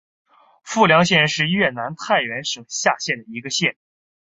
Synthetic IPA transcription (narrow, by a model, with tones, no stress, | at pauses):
fu˥˩ljɑ˧˥ŋɕjɛ˥˧nʂɻ̩˥˧ɥɛ˥˩na˧˥nt̪ʰa˥˩ɪɥɛ˧˥nʂɤ˨˩ŋɕja˥˧ɕjɛ˥˩nd̪ə˩i˧˥ɡə˧ɕjɛ˥˩n